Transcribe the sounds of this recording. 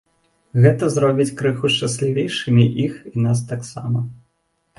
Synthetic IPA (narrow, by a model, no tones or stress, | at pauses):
ɣɛt̪ɐzɾɔbʲit͡sʲkɾɨxuʂt͡ʂasʲlʲivʲejʂɨmʲiʔixin̪as̬t̪aksa̰mɐ